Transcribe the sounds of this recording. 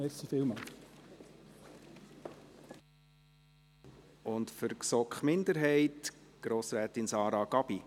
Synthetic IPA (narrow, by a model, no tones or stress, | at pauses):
ɛsifɪlmɑ | ʊntfʏɾksɔkχmɪnd̪əɾɦɛɪtɡ̥ɾoːsɾæːtɪnsɑːɾɑɡ̥ɑb̥i